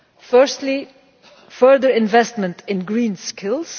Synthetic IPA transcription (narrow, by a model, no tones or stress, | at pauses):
fɜ˞stli | fɜ˞ðə˞ɪ̃nvɛstmə̃ntʰɪ̃nɡɹĩːnskʰɪlˠz̥